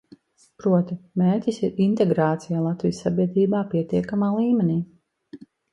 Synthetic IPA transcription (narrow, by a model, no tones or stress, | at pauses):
pɾuɔt̪imeːɾʲcʲisiɾint̪ɛɡɾaːt̪sijaːlˠat̪vijsːabʲiɛd̪ɾiːbaːpiɛt̪iɛkamaːlˠiːmɛniː